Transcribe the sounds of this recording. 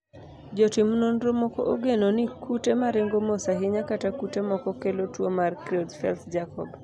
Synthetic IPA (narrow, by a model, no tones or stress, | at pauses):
d͡ʒotɪmnonɾomɔkɔ̰ʔoɡenonɪkʰutemaɾeŋɡomosaɦɪɲakatakutemɔkɔkelotwomarkɾiɔtfɛ̰lt̪d͡ʒakɔ̰b